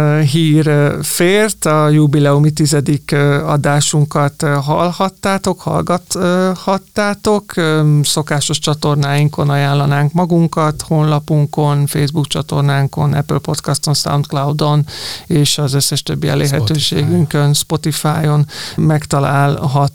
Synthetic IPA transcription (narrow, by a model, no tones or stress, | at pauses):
ɦiːrfeːrt̪ɒjubilɛumit̪izɛd̪ikɒ̰d̪aːʃuŋkɒt̪ɦɒ̰lhɒt̪ːaːt̪okhɒ̰lɡɒt̪hɒt̪ːaːt̪o̞kso̞kaːʃo̞ʃt͡ʃɒt̪o̞rnaːjiŋko̞nɒjaːlːɒnaːŋkmɒɡuŋkɒt̪ho̞nlɒpuŋko̞nfeːjzbukt͡ʃɒt̪o̞̰rnaːŋko̞̰nɛ̰plpo̞t̪kɒst̪o̞nsa̰wnt̪klɒwd̪o̞neːʃɒzøsːɛʃt̪øbːiɛ̰lḛːrɦɛt̪øːʃḛːɡyŋkønspo̞t̪ifaːjo̞nmɛkt̪ɒlaːlɦɒt̪